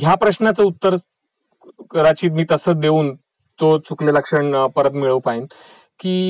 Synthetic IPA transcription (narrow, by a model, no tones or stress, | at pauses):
ɦjapɾəɕnat͡səut̪ːəɾ | kɾat͡ɕiːt̪̚miːt̪əsət͡sd̪euːn | t̪ot͡sʰukleləkʂəɳpəɾəpmiɭəʋpain | kiː